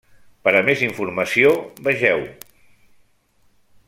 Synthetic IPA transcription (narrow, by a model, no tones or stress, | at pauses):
pəɾəmeziɱfuɾməsiobəʒɛw